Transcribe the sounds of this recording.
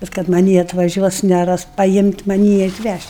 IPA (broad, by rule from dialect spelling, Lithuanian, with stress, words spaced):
bʲɛt kɐt mɐˈnʲiː ɐtʋɐˈʒʲuɔs nʲɛˈrɐs pɐjɪmʲtʲ mɐˈnʲiː ɐtʲˈʋʲæʃʲtʲ